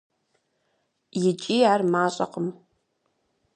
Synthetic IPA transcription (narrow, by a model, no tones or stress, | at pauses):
jɪt͡ʃʼiːaːrmaːɕʼɐ̰qəm